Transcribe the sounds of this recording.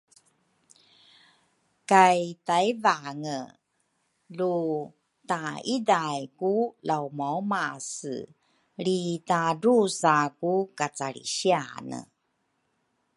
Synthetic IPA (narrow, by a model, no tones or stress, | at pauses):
kajtajvaŋə | lu | taidajkulawmawmasɨ̰ | ɾitaɾusakukat͡saɾḭɕianə̰